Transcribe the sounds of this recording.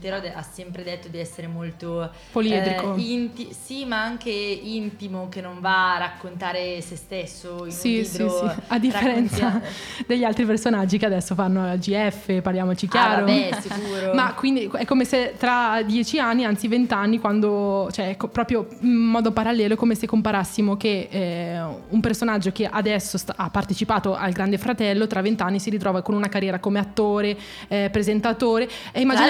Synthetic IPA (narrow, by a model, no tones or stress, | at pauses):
peɾɔd̪eʔasːɛmpɾed̪et̪ːod̪iɛsːeɾemolt̪o | poliɛːt̪ɾikoint̪isimaaŋkeint̪imokenːoɱvarakːont̪aːɾesest̪esːoisisiiad̪ːiffeɾɛnsad̪eʎːialt̪ɾipersonad͡ʒːikead̪ɛsːofanːoad͡ʒiɛfːeparljaːmot͡ʃik̟jaːɾosikuːɾomakːwind̪iɛkːomeset̪ɾad̪jɛːt͡ʃianːiant̪sivent̪anːikwand̪ot͡ʃoɛkːopɾɔːpɾjoimmɔːd̪opaɾalːɛːlokomesekːompaɾasːimoke | umpersonad͡ʒːok̟eʔad̪ɛsːosapːart̪et͡ʃipaːt̪oʔalɡɾand̪efɾat̪ɛlːot̪ɾavːent̪anːisiɾit̪ɾɔːvakonunakarjɛːɾakomeat̪ːoːɾe | pɾezent̪at̪oːɾe | eimːad͡ʒi